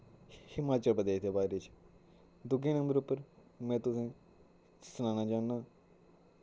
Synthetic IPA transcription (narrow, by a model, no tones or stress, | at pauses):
hɪmaːt͡ʃəlbəd̪aːɪt̪eːbaːɾet͡ʃ | d̪ʊɡẽːnə̃mbəɾʊpːəɾ | mɛ̃ːt̪ʊsẽː | sʊnãːnãːd͡ʒaːnːaː